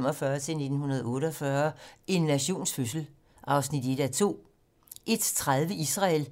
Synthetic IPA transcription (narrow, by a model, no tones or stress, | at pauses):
m̰ɒfɶɐt͡sʰe̝lne̝d̥n̩hunɐð̞ˠɔ̽ːɾəɒfɶɐe̝nːæɕo̝̰ːnsføs̬l̩ | ʔɑ̈ʊsnid̥e̝d̥æt͡sʰo̝̰ː | ʔe̝d̥t͡sʰʁaðˠʋəisʁɑ̈l